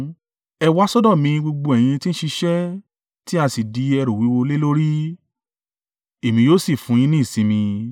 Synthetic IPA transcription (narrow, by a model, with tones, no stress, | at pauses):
ɛ˧wa˦sɔ˦dɔ˦˨mĩ˧ɡ͡bo˧ɡ͡bo˧ɛ˨j̃ĩ˧ti˦ñ̩˦ʃi˧ʃɛ˦ | ti˦a˧si˨di˨˦ɛ˧ɾo˨wi˨˦wo˧le˦lo˦ɾi˦ | e˨mĩ˧joː˦si˦˨fũ˨˦j̃ĩ˧nĩ˦˨sĩ˨˦mĩ˧